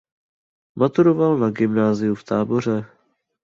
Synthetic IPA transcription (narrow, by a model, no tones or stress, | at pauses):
mat̪uɾovalnaɡɪmnaːzɪjuft̪aːbo̞r̝ɛ